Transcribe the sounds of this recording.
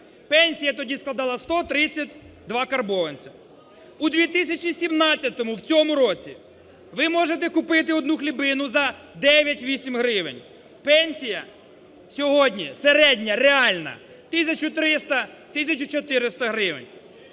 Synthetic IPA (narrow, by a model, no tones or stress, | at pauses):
pɛnʲsʲijɐt̪ɔdʲisklˠɐd̪ɑlˠɐst̪ɔt̪ɾɪt͡sʲɐtʲ | d̪ʋɑkɐrbɔʋɐnʲt͡sʲɐ̥ | ud̪ʋʲit̪ɪsʲɐt͡ʃisʲimnɑt͡sʲːɐt̪ɔmʊwt͡sʲɔmʊɾɔt͡sʲi | ʋɪmɔʒet̪ɛkʊpɪt̪̬ɪɔd̪nuxlʲibɪnʊzɐ | d̪ɛʋʲjɐtʲʋʲisʲimɦɾɪʋɪ̰nʲ | pɛnʲsʲijɐ | sʲɔɦɔdʲnʲiseɾɛdʲnʲɐɾeɑlʲnɐ̰ | t̪ɪsʲɐt͡ʃʊt̪ɾɪst̪ɐt̪ɪsʲɐt͡ʃʊt͡ʃɔt̪ɪɾɪst̪ɐɦɾɪʋɪ̰nʲ